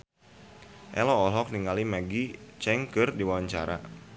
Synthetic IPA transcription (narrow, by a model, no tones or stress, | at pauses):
ʔɛ̰lɔːlɔk̚niŋalimaɡit͡ʃɛŋkɨrdiwawaɲt͡ʃa̰ɾa̰